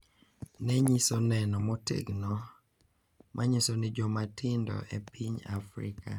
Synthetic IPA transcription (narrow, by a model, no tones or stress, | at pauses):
nɛɲisɔnɛnɔmɔtḛɡnɔ | mʔaɲisɔnɪd͡ʒɔmatɪndɔ̰ʔepiɲa̰fɾɪ̰kʰa̰